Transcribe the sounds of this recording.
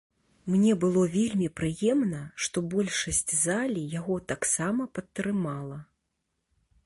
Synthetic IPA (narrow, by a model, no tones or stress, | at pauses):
mnʲɛbɨlˠɔvʲelʲmʲipɾɨjɛmnɐʂt̪ɔbɔlʲʂɐsʲt͡sʲzalʲijaɣɔt̪aksamɐpɐt̪ːɾɨmalˠɐ